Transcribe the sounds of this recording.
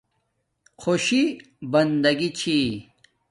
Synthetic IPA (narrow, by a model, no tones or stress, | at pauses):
xoɕi | bɐnd̪ɐɡit͡ɕʰi